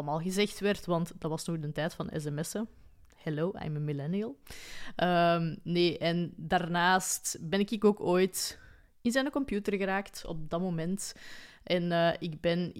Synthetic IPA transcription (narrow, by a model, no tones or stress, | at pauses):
əmaːlˠɣəzɛxtʋɛrtʋɑntd̥ɑtwɑsnɔɣdəntɛːtfɑnɛ̰s̬ɛmɛsə | hɛloːʔa̰jməmilɛniəlˠʔəmneːʔɛndaːrnaːstbɛnɪkɪkoːkoːjt | ɪnzɛnəkɔmpjuːtərɣəɾaːktɔ̰p̚dɑmoːmɛnt | ʔɛnəːʔɪɡbɛn